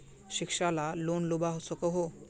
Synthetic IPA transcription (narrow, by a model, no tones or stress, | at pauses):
ɕikʂalalonlubaɦosokəɦo